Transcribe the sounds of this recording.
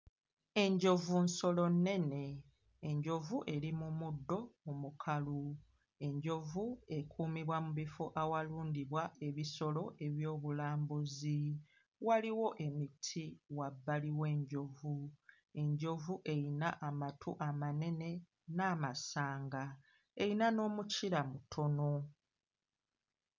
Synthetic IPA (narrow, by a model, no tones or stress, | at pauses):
e̞ɲɟo̞vunso̞lo̞nːe̞ne̞ː | ɲɟo̞vuʔe̞limumudːo̞umukʰalu | e̞ɲɟo̞vue̞kʰuːmiβwamuβifoʔawaluːndiβwae̞βiso̞lo̞ʔe̞βjo̞ːβulaːmbuzi | waliwo̞ʔe̞mitʰiwabːaliwe̞ːɲɟo̞vu | e̞ɲɟo̞vuʔe̞jinaʔamatʰuʔamane̞ne̞ | naːmasaːŋɡa | e̞jinano̞ːmuciɾamutʰono